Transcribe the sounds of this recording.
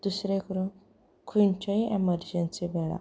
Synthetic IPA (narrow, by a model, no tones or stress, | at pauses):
d̪̥usɾekəɾun | kʰuɳt͡ɕaiʔeməɾd͡ʑensiʋeɭa̰